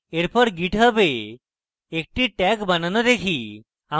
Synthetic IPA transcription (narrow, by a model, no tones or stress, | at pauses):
eɾpəɾɡiʈʰəbeː | k̚ʈiʈɛkbannəd̪ekʰiː | a